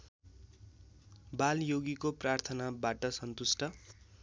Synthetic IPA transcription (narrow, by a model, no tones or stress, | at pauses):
baljoɡikoprart̪ʰʌnabaʈʌsʌnt̪usʈʌ